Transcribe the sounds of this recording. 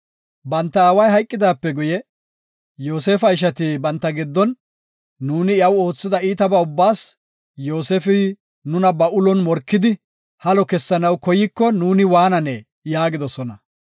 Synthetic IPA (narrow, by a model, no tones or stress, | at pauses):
bɐnt̪ːɐaːwɐjɦɐjkʼːɪd̪aːpːɛɡʊjɛ | jo̞ːseːfɐɪʃ̬ɐt̪ɪbɐnt̪ːɐɡɪd̪ːɔnː | uːnɪɐwo̞ːt͡sːɪd̪ɐiːt̪ɐbɐʊbːaːs | jo̞ːsefɪ | nʊnɐbɐʔʊlɔnmɔɾkːɪd̪ɪ | hɐlɔkɛsːɐnɐwkɔjɪkːɔnuːnɪwaːnɐnɛ | jaːɡɪd̪ɔsɔnɐ